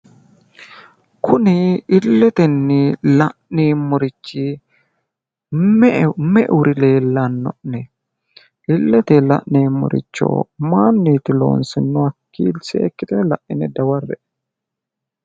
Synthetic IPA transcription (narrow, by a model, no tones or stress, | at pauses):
kʰʊnɪɪlːɛt̪ɛnːɪlɐʔniːmʊɾɪt͡ʃːɪ | ɛʔɛmɛʔɛwʊɾɪle̞ːlːɐnːɔ̰ʔnɛ | ʔɪlːɛt̪ɛlɐ̰ʔneːmːʊ̰ɾʔɪ̰t͡ʃːo̰ːmaːnːiːt̪ːɪlo̞̰ːnsɪnːʊɐkːḭːlsɛɛkːɪt̪ɪnlɐʔʔɪnɛd̪ɐwɐrːɛʔ